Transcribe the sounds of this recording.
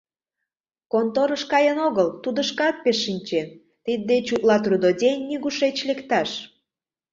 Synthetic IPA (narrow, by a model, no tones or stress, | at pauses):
kont̪oɾəʃkɑjənoɣəlt̪ud̪əʃkɑt̪̚peʃːinʲt͡ɕen | t̪id̪ːet͡ɕuʔ̪lɑt̪rud̪odʲenʲːiɣuʃet͡ɕlekt̪ɑʃ